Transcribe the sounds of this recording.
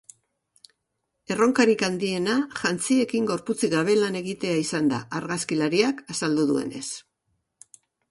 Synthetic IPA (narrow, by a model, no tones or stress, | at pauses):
e̞ro̞ŋkaɾikand̪ie̞naʝant͡sie̞kiŋɡo̞ɾput͡siɣaβ̞e̞lane̞ɣit̪e̞aisand̪a̰ʔːɾɣaskilaɾiakasald̪uðue̞̰ne̞̰s